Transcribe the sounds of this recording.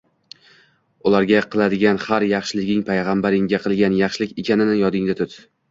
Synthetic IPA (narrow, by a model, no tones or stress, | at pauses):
ʊlˠaɾɡʲaqʰɨlˠad̪ɪɡʲanhaɾjɑχʃɪlɪɡʲɪŋpʰajʁɑmbaɾɪŋʲaqʰɨlˠɡʲanjɑχʃɪlɪkʲekʲanɪnɪjɒd̪ɪŋd̪at̪ʰʊt̪